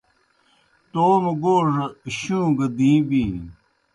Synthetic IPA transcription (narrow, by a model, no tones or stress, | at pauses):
t̪oːmɡoːʐɕũːɡd̪ĩːbiː